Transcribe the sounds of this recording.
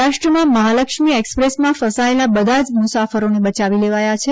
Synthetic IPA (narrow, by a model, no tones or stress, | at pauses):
aʃʈɾəmãməɦaləkʃmiekspɾesmãfəsaelabəd̪ʱad͡ʒmʊsafəɾonebət͡ʃaʋileʋajat͡ʃʰe